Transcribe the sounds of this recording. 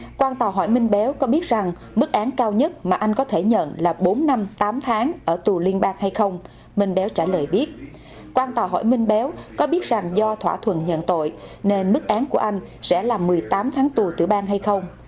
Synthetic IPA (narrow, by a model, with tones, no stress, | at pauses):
kwaː˧nt̪aː˨˩ɦɔ̰˧˩jmï˧ŋ̟ɓɛ˨˦wkɔ˨˦ɓi˦˥ət̚za˨˩ŋ | mɨ˦˥k̚ʔaː˨˦nkaː˧wɲə˦˥t̚maː˨˩ʔa˧jŋ̟kɔ˨˦t̪ʰe˧˩ɲə̰˧˨nlaː˨˩ɓo˨˦nːa˧mt̪aː˨˦mt̪ʰaː˨˦ŋʔəː˧˩t̪u˨˩li˧ənɓaː˧ŋha˧jxə˧wŋ͡m | mï˧ŋ̟ɓɛ˨˦wt͡ɕaː˧˩ləː˨˩jɓi˦˥ət̚ | kwaː˧nt̪aː˨˩ɦɔ̰˧˩jmï˧ŋ̟ɓɛ˨˦wkɔ˨˦ɓi˦˥ət̚za˨˩ŋzɔ˧t̪ʰwa̰ː˧˩t̪ʰwə̰˨nɲə̰˧˨nt̪o̰˧˨jne˧nmɨ˦˥k̚ʔaː˨˦nku˧˩əʔa˧jŋ̟sɛ̰˧˥laː˨˩mːɨ˨˩əjt̪aː˨˦mt̪ʰaː˨˦ŋt̪u˨˩t̪ɨ̰˧˩ɓaː˧ŋɦa˧jxə˧wŋ͡m